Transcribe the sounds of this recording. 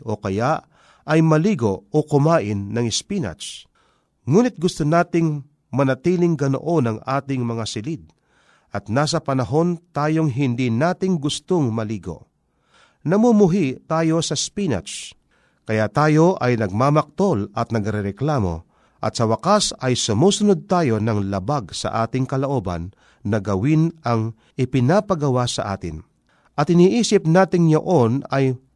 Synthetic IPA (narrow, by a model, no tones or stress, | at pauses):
okɐjaʔ | ɐjmɐliːɡookʊmaːʔɪnːɐŋɪspina̰t͡ʃ | ŋuːnɪt̪̚ɡʊst̪onaːt̪ɪŋ | mɐnɐt̪iːlɪŋɡɐno̰ʔo̞nɐŋaːt̪ɪŋmɐŋasɪlɪd̪̚ | ʔɐt̪̚naːs̬ɐpɐnɐɦo̞nt̪aːjoŋɦɪnd̪inaːt̪ɪŋɡʊst̪oŋmɐliːɡo̰ | nɐmumʊɦit̪aːjo̞sɐspina̰t͡ʃ | kɐjat̪aːjo̞ʔɐjnɐɡ̚maːmɐk̚t̪o̞lɐt̪̚nɐɡɾɛɾɛklaːmo̞̰ | ʔɐ̰t̪sɐwɐkasɐjsʊmuːsʊnod̪̚t̪aːjo̞nɐŋlɐbaɡsɐ̰ʔaːt̪ɪŋkɐloʔo̞ːbɐ̰nː | ɐɡɐwɪnɐŋ | ʔɪpɪnaːpɐɡɐwasɐ̰ʔa̰ːt̪ɪ̰n | ʔɐt̪ɪniːʔiːsɪp̚naːt̪ɪŋjoʔonɐj